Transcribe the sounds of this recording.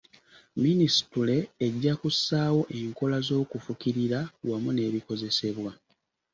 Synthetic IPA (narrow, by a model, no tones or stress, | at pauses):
minisi̥tule̞ːɟːakusaːwo̞ʔe̞ŋko̞lazo̞ːkufukiɾiɾawamune̞ːβiko̞ze̞se̞βwa